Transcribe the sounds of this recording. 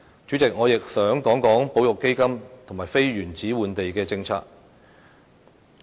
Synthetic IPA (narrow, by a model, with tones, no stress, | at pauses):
t͡ʃyː˨˥t͡sɪ˨k̚ŋɔː˨˧jɪ˨k̚sœː˨˥ŋkɔː˨˥ŋkɔː˨˥ŋpo˨˥wjʊ˨kːe˥jkɐ˥mt̪ʰʊ˨˩ŋmaː˨˩jfe˥jɥyː˨˩nt͡siː˨˥wuː˨˧nt̪e˨jkɛː˧t͡sɪ˧ŋt͡sʰa̰ː˧k̚